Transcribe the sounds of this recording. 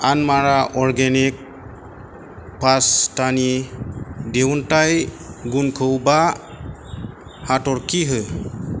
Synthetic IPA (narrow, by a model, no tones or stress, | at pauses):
anmaɾaʔɔɾɡenik̚ | pastani | dewntajɡunkʰəwba | hatɔɾkiɦɯ